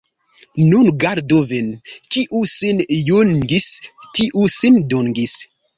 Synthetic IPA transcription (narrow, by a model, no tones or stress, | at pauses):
nunɡaɾdovenkiʔusinjunɡistiʔusindoŋɡis